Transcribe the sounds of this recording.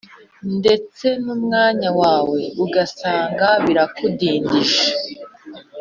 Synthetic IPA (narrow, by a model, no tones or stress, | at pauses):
nde̞t͡se̞numŋaːɲawaːwe̞uɡasaːŋɡaβiɾakudiːndiʃḁ